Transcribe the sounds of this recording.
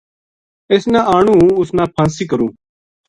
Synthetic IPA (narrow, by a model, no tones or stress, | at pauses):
eːsnãːʔaːɳũːʊsnãːpʰãːnsiːkəɾũː